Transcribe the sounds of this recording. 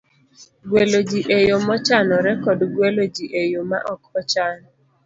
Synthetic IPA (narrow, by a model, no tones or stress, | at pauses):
ɡwelod͡ʒiʔejomɔt͡ʃanɔɾɛkɔdɡwelod͡ʒiʔejoma̰ʔɔkɔt͡ʃanɔ